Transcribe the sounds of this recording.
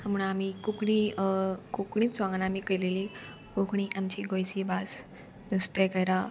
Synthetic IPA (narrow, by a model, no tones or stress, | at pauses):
munaamikukɳikukɳiːt̪t͡sʋãŋɡanamiːkəjleli | kukɳiʔamt͡ɕiːɡojsibas | nust̪ekəjɾa